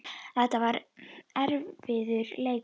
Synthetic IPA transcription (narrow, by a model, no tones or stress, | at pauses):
θɛht̪ːavaɾɛɾvvɪðʏɾleːjk